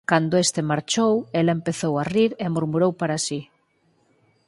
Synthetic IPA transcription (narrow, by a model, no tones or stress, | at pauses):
kand̪ʊest̪emaɾt͡ʃowelɐempeθowariɾemuɾmuɾowpaɾasi